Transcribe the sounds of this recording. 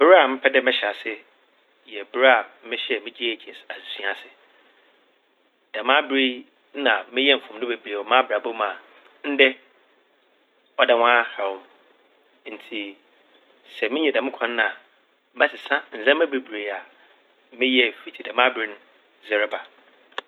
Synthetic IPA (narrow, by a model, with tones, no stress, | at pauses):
bɪ˦ɾa˨mɪ̃˦pʰɛ˦dɛ˦mɪ̃˦ɕɛ˨a˨sɪ˦ | jɛ˨bɪ˦ɾa˨˦mɪ̃˦ɕɛ˦˨mɪ̃˦d͡ʑi˦˨d͡ʑʰɛ˨sa˨si˨sĩ˦a˨sɪ˨ | d̥ã˨mã˦bɾi˦ | ã˨mɪ̃˦jɛ˦m̩˨fʊ̃˨mnʊ̃˦be˨bɾe˨ɔ˨mãː˦bɾa˨bo˦mã˨ | n̩˦dɛ˦ | ɔ˦da˨wã˦ha˨wʊ̃˨m | n̩˨tʰi˨ | sɛ˨mɪ̃˦ɲɛ̃˨dã˨mɪ̃˦kʷʰã˨n˦nã˨˦ | mã˦sɪ˨sã˦n̩˨zɛ̃˦mã˦bi˨bɾe˨a˨ | mɪ̃˦jɛ˦˨fi˨tʰi˨dã˨mã˦bɾi˦n˦ | zɛ˨ɾɛ˦ba˨